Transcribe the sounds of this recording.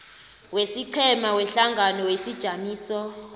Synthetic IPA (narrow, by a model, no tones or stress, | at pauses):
wesiǃʰɛmawɛɬaŋɡʱanɔwesid̥ʒ̥ʱamiːsɔ